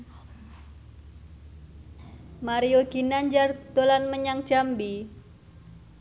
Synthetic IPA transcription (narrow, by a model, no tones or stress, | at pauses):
maɾioɡ̥inaɲd͡ʒard̪̥olanməɲaŋ̥ʒ̥ambi